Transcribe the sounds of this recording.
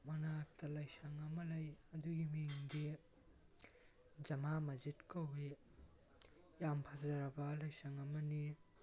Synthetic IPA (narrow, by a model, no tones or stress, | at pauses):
mɐnak̚tɐlajsɐŋɐmɐlajɐduɡimiŋdi | d͡ʒɐmamɐzitkʰawe | jampʰazɐɾɐbɐlajsaŋɐmɐni